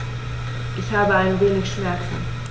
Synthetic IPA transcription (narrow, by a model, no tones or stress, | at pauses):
ʔɪçhaːbəaɪnveːnɪçʃmɛɐt͡sn̩